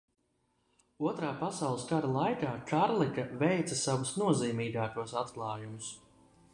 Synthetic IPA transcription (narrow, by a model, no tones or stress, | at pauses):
uɔt̪ɾaːpasawlˠɨskaɾalˠajkaːkʰaɾlˠikavɛjt̪sɐsavusnuɔziːmiːɡaːkuɔsat̪klˠɑːjumus